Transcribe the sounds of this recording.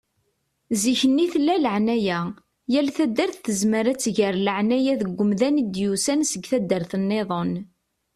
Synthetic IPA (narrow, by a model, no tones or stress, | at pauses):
ziçənːiθlːæləʕnæjæ | jælθæd̪ːəɾθθəzməɾæt͡sːʝəɾləʕnæjæðəɡʷːəmðænid̪jusænsəɡθæd̪ːəɾθənːeðˤon